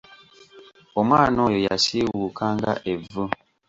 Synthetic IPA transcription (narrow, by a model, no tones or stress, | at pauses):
omanɔjoja̰siwukaŋɡa̰ʔevo